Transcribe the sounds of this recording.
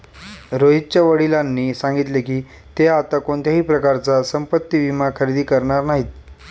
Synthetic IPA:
ɾoɦit̪t͡ɕjaʋəɽilanːiːsãŋɡit̪lekiː | t̪eat̪akoɳt̪ʰjaɦiːpɾəkaɾt͡sasəmpət̪ːiʋimakʰəɾid̪iːkəɾɳaɾnaɦiːt̪̚

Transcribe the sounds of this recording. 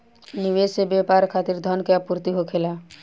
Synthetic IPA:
niʋesebapaɾkʰaːt̪iɾd̪ʱɔnkeapuɾt̪iɦokʰela

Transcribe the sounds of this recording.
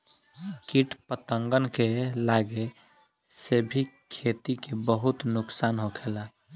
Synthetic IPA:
kiʈpət̪əŋɡənkelaɡe | sebʱikʰːet̪ikebəɦut̪nʊksaːnɦokʰeːla

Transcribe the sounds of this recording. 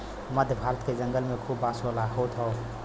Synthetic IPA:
mɐd̪ʱbʱaːɾət̪̚kezɐŋɡəlmekʰuːbasolahot̪ʰɔw

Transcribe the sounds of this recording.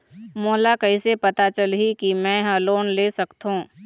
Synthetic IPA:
moːlakɐisepɐt̪at͡ʃəlɦikimɛ̃ːɦɐːloːnleːsɐkt̪ɦũː

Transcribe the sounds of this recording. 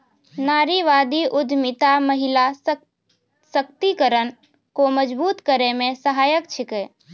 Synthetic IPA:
naɾiʋad̪iʔʊd̪ʱmit̪aməɦila | sək̚t̪ikəɾən | koməd͡ʒbuːt̪kəɾemẽsəɦaːjəkt͡ʃʰike

